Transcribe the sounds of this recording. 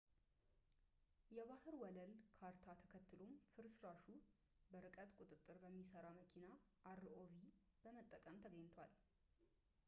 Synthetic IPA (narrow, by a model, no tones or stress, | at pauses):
jɛβahɨɾwɔləlkʰaɾt̪ʰat̪ʰə̥kʰət̪ʰːɨlo̞mfɨɾsɨɾaʃu | bəɾɨkʼət̪ʼkʷʼut̪ʼɨt̪ʼːɨɾbəmːisəɾaməkʰina | aɾɨʔoβi | b̥əmət̪ʼːəkʼəmt̪ʰəɡəɲːt̪ʰwal